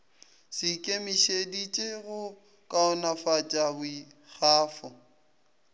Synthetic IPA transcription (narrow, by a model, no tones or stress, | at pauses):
sɪkʼemiʃedit͡ʃʼeɣʊ | kʼaɔnafat͡ʃʼaɣʊi | ɣaːfɔ